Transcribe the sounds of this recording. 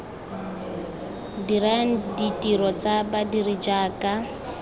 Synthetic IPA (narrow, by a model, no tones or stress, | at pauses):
diɾaŋ̩ditʼiɾɔt͡sabadirid͡ʒaːkʼa